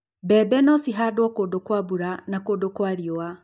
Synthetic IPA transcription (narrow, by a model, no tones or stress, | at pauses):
bɛbɛnɔsiɦadwɔkoːdokwabuɾanakoːdokwaːɾiɔa